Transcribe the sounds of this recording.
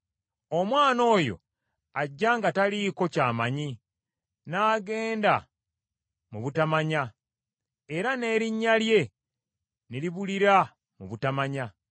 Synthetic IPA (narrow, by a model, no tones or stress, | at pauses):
o̞mwaːno̞ːjo̞̰ | aɟːaːŋɡataliːko̞caːmaɲi | naːɡe̞ːnda | muβutamaɲa | e̞ɾane̞ːɾiɲːalje̞ | niliβuliɾa | muβutamaɲa